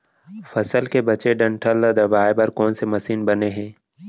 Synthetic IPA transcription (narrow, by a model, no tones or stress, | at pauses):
fɐsəlkebɐt͡ʃeɖɐ̃ɳʈʰəld̪ad̪ɐbaːebɐɾkɔːnsemɐsiːnbɐneɦɛ̃ː